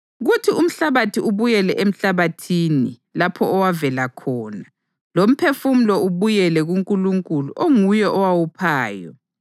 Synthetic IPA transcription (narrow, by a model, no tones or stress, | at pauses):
ɣutʰium̩ɬaβatʰiʔuβujɛlɛʔem̩ɬaβatʰini | lapʰɔːwavɛlakʰɔːna | lom̩pʰefum̩lɔuβujɛlɛɣuŋkʼuluŋkʼuluʔoŋujɛʔɔwawupʰaːjɔ̰